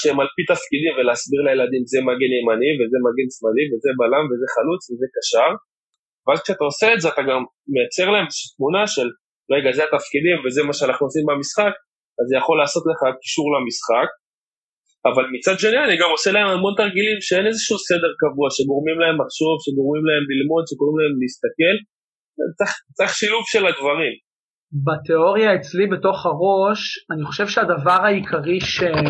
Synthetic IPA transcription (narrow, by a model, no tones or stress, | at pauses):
ʃeemalpit̪afkidimve̞leːasbiʁlajelad̪imzemaɡenemanivezemaɡensmaliveze̞balamve̞ze̞χalut͡sveze̞kaʃaʁ | veazkʃeatao̞se̞ːtzeat̪aɡamː | e̞jat͡se̞ʁlae̞mʃt̪munaʃe̞l | ʁe̞ɡazeat̪afkid̪imvezemaʃeanaχnuosimbamisχak | azejaχo̞lːaːso̞t̪le̞χaki̥ʃuʁlamisχak̚ | avalmit͡sad̪ʃe̞nianiɡamo̞selaemamo̞nt̪aʁɡilimʃee̞nezeʃuuse̞de̞ʁkavuaʃe̞ɡo̞ʁmimlae̞maχʃo̞vʃeɡo̞ʁmimlae̞mlilmo̞d̪ʃekoʁimlae̞mliist̪ake̞l | ḛt͡saχt͡seχʃiluvʃe̞ladvaʁim | bat̪eoʁijaet͡slibe̞to̞χaʁo̞ʃaniχo̞ʃevʃeadavaʁhaikʰaʁiʃe